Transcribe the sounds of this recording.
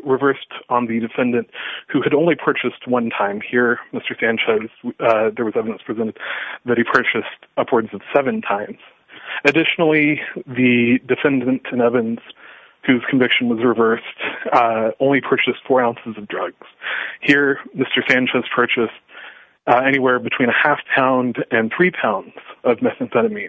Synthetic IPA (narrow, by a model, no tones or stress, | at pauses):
ɹɨvɜ˞stn̩ðɨdɨfɛ̃ndɨ̃nʔhʉɨɾõʊ̃nlipʰɜ˞t͡ʃɨst̚wʌ̃ntʰãɪ̃mhiɹmɪstə˞sæ̃nt͡ʃʰoz̥ðə˞wʌzɛvɨɾɨ̃nspʰɹ̥ɨzɛ̃ɾ̃ɨd̪̚ðɨt̚hipʰɜ˞t͡ʃɨstʌpʰwə˞dzʌv̥sɛvɨ̃ntʰãɪ̃mz̥ | ɨdɪʃnl̩ˠiðɨdɨfɛ̃ndɨ̃ntʰɨ̃nɛvɨ̃nz̥ | hʉz̥kʰɨ̃ɱvɪkʃn̩wʌzɹɨvɜ˞st | õʊ̃nlipʰɜ˞t͡ʃɨstfɔɹãʊ̃nsɨzʌvdɹʌɡz̥hiɹmɪstə˞sæ̃nt͡ʃʰoʊz̥pʰɜ˞t͡ʃɨst | ɛɾ̃iwɛɹbɨtʰw̥ĩñɨhæfpʰãʊ̃ndɨ̃nθɹipʰãʊ̃ndz̥ʌvmɛsɨ̃nfɛɾ̃ɨmi